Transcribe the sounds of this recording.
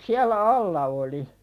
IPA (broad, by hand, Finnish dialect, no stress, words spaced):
siælːæ ɑlːɑ oli